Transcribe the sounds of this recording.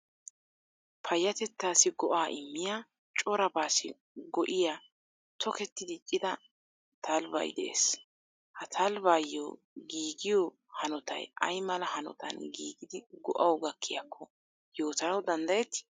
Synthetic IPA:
pʰɐjːɐt̪ɛt̪ːaːsɪɡɔʔaːʔɪmːɪjaː | t͡ʃʼɔɾɐbaːsɪ̰ | ɡɔʔɪja | t̪ʰɔkɛt̪ːɪd̪ɪt͡ʃʼːɪd̪ɐ | t̪ʰɐlbɐ̰jd̪ɛʔḛːs | hɐt̪ʰɐlbaːjːoː | ɡiːɡɪjɔ | hɐnɔt̪ɐ̰jʔɐ̰jmɐlɐhɐnɔ̰t̪ɐ̰nɡiːɡɪd̪ɪɡɔ̰ʔɐwɡɐkʰːɪjɐkʰːɔ | jo̞ːt̪ɐnɐwd̪ɐnd̪ɐjɛt̪ː

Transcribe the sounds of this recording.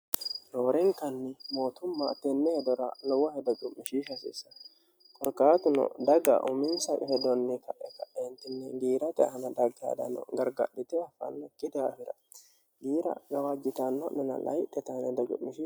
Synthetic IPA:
doːɾɛŋkɐnːɪmo̞ːt̪ʊmːɐt̪ɛnːɛhɛd̪ɔɾɐ̰lɔwɐhɛd̪ɔɡʊmɪʃiːʃɐsɪ̰sɐ | kʼɔɾkaːt̪ʊnɔ̰d̪ɐɡɐ̰ʔʊmɪnsɐʔʼhɛd̪ɔnːɛkɐʔɛkɐʔɛnt̪ːɪnːɛɡiːɾɐt̪ʼɛhɐnɐd̪ɐɡːɪja̰ːd̪ɐ̰nɔ̰ɡɐɾɡɐ̰ɗɪt̪ɛɐfɐ̰nːɛkʼɪd̪ɛafɪɾɐ̰ | ɡiːɾɐ̰ɡɐwad͡ʒːɪt̪ɐnːɔnːɛnɐ̰lɐ̰jt̪ːɛt̪ɐnɛd̪ɐɡʊ̰mɪʃi

